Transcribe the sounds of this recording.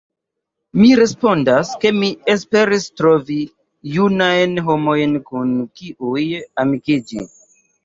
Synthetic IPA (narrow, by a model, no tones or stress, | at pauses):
miɾe̞spo̞ndaske̞miespe̞ɾistɾo̞vi | junajnɦo̞mo̞jnkunkiʔujamikid͡ʒḭ